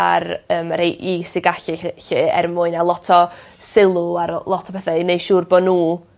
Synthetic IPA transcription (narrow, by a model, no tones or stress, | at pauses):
a̰rəːmaɾejʔisɪɡaɬɪɪɛ̰rmʊɨnalˠɔtʰɔ | sɪlˠʊaɾlˠɔtʰɔpʰɛθɛnejʃuːrbɔnuː